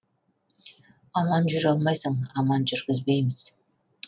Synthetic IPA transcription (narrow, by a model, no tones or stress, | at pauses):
ɑmɑnd͡ʒyɾɑlˠmɑjsəɴɑmɑnd͡ʒʏɾɡɪzbe̞jmɪz̥